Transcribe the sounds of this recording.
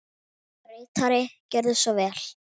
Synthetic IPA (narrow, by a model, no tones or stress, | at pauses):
ɾeːjt̪aɾɪcɛɾðʏsvɔvɛːl̥